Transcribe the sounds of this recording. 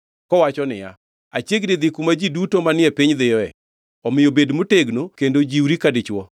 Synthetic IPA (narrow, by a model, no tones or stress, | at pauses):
kɔwat͡ʃɔnɪja̰ | at͡ʃjeɡdɪd̪ɪkumad͡ʒidutomanɪɛpiɲd̪ɪjɔɛ | ɔmɪjobedmoteɡnokendod͡ʒiwɾikadɪt͡ʃwɔ